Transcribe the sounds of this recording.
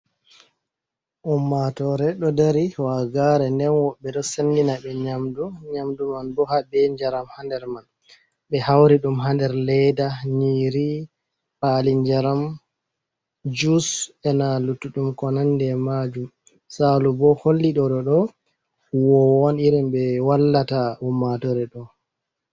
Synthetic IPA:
ʔumːatɔɾɛɗɔdaɾiwaɡaɾɛndɛnwɔɓːɛɗɔsenɡinaɓɛɲamduɲamdumanbɔhabɛɲd͡ʒaɾamhandɛɾman | ɓɛhawɾiɗumɦandɛɾlɛjdaɲiːɾi | paliɲd͡ʒaɾam | d͡ʒusɛnalutːuɗumkɔnandɛmad͡ʒum | salubɔholːiɗɔɗɔɗɔ | wɔwɔniɾimbɛwalːataumatɔɾɛɗɔ

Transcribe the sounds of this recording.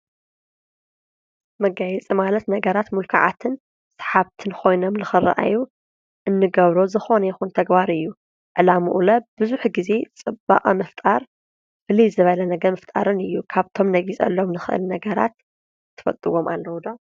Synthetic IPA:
mɐɡajɛt͡sʼimalɐt̪nɐɡɐɾat̪mulkʰaʕa̰t̪ʰɨn | sḁħaβt̪ʰɨnkʰo̞jno̞mnɨxɨra̰ʔa̰ju | ʔɨnːɨɡɐβɾozɨxo̞nɐjɛxunt̪ʰɐɡbaɾɨjːu | ʕɨlamuʔulɐbɨzuħɡize̞t͡sʼɨbːa̰qʼɐmɐft̪ʼaɾ | bɨlizɨβɐlɐnɐɡɐmɐft̪ʼaɾɨnɨjːukʰaβt̪ʰo̞mnɐɡit͡sʼɐ̰lːo̞mnɨxɨʔɨ̰lnɐɡɐɾa̰t̪ | t̪ʰːɨ̥fɐ̰t̪ʼɨwo̞mʔa̰lːɐwd̪o

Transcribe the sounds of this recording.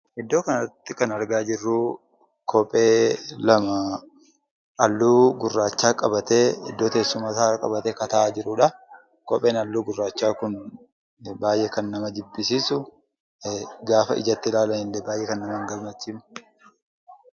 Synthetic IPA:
ɛd̪ːo̞ːkɐnɐt̪ːɪkɐnɐɾɡaːd͡ʒɪrːu | kʰɔpʼeːlɐmɐ | ʔɐlːuːɡʊrːaːt͡ʃːaːkʼɐbɐt̪eːɛ̰d̪ːoːt̪eːsːʊmasaːɾɐkʼɐbɐt̪eːkɐt̪ɐʔaːd͡ʒɪɾʊᶑɐ | kɔpʼeːnɐlːuːɡʊrːaːt͡ʃːaːkʊn | baːjʔekɐnːɐmɐd͡ʒɪbːɪsiːsʊ | ɡaːfɐɪ̰d͡ʒɐt̪ːɪlaːlɐnɪlːɛbaːjʔekɐnːɐmɐŋɡɐlmɐt͡ʃːiːmʊ̥

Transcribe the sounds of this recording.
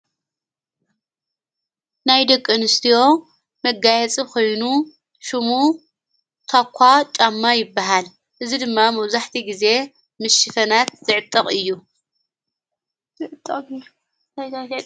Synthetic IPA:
najd̪ɐkʼːɨnɨst̪ʰijo̞ | mɐɡajɛt͡sʼikʰo̞jnu | ʃɨmu | t̪ʰakʷʰːat͡ʃʼamːajɪbːaɦal | ʔɨzid̪ɨmːamɐwzaħt̪ʰiɡize̞ | mɨʃːɨfɐnat̪z̥ɨʕɨt̪ʼːɐqʼɨjːu | zɨʕɨt̪ʼːɐ

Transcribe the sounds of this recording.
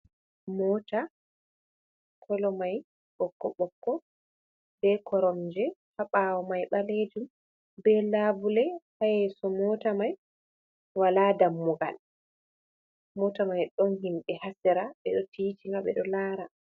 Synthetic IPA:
mɔta | kʰɔlɔmaj | ɓɔkːɔɓɔkːɔ | bɛkʰɔɾɔmd͡ʒɛhaɓawɔmajɓaled͡ʒum | bɛlabulɛhajɛsɔmɔːtamaj | waladamːɔɡa̰l | mɔtamajɗɔnɦinɓɛhasɛɾaɓɛɗɔtiːtiŋɡaɓɛ̰ɗɔlaːɾa

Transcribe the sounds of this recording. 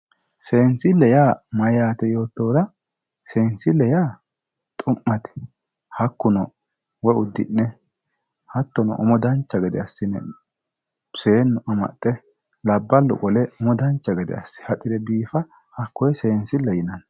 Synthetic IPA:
se̞ːnsɪlːɛjaːmɐjaːt̪ɛjo̞ːt̪ːo̞ːd̪ɐ | se̞ːnsɪlːɛjaː | t̪ʼʊmːɐt̪ɪ̥ | hɐkːʊnɔ | wɔʊd̪ːɪ̰nːɛ | hɐt̪ːɔnɔ̰ʔɔmɔd̪ɐnt͡ʃːɐɡɛd̪ɛ̰ɐsːɪnɛ̰ | se̞ːnːʊʔɐmɐ̰t̪ʼːɛ | lɐbːɐlːɔ̰kʼɔlɛʊmɔd̪ɐnt͡ʃːɐɡɛd̪ɛ̰ɐsːɪ̥hɐt̪ʼːɪd̪ɛbiːfɐ | hɐkːɔjɛse̞ːnsɪlːɛjɪnɐn

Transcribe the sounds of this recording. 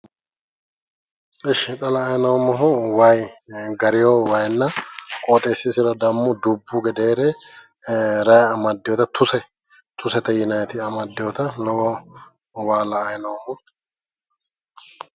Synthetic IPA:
ɪʃɪt̪ʼɐlɐːjnɐwmɔɦʊwɐjɡɐɾɪjowɐjnːɐkʼoːt̪ʼeːsːɪsɪɾɐd̪ɐmːʊd̪ʊbːʊɡɛd̪eːɾe | ɾɐjɐmɐd̪ːɪjɔt̪ɐt̪ʰʊsɛ | t̪ʰʊsɛt̪ɐjɪnɐjɛt̪ɪɐmɐd̪ːɪjɔt̪ɐlɔwɔ | waːlɐːjnɐwmɔ

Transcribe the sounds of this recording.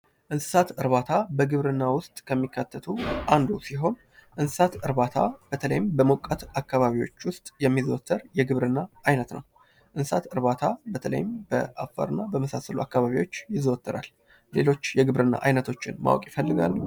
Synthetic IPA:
ʔɨnsɨ̥sat̪ɨɾβat̪ʰabəɡɨβɾɨnːawʊst̪ʼkʰəmːikːat̪ʰːət̪ʰuʔand̪usiɦo̞n | ʔɨnsɨ̥sat̪ɨɾbat̪ʰab̥ət̪ʰələ̰jɪmbəmukʼːət̪akːaβaβiwo̞̰t͡ʃːwʊst̪ʼjɛmːizot̪ʰːəɾjɛɡɨβɾɨnːaʔajnət̪nə̰w | ʔɨnsɨsat̪ɨɾβat̪ʰabət̪ʰələ̰jɪmb̥ə̰ʔafa̰ɾɨnːabəməsasəluakːaβaβiwo̞t͡ʃːjɪzoɔt̪ʰːəɾa̰lː | e̞̰lo̞t͡ʃːjɛɡɨβɾɨnːa̰ʔajnət̪ʰo̞t͡ʃːɪ̰nma̰wɔ̰kʼjɪfəlːɨɡa̰lː

